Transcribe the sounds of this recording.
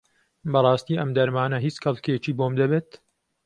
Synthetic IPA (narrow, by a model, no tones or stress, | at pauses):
bɐrˤɑːst̪iːɐmd̪ɐɾmaːnɐɦiːt͡skʰɐlˠket͡ʃiːboːmd̪ɐbeːt̪